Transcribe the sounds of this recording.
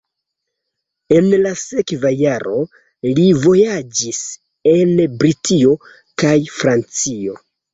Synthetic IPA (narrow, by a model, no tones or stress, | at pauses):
e̞nlase̞kvajaɾo̞ | livo̞jad͡ʒis | e̞nbɾitʰio̞ | kajfɾant͡sio̞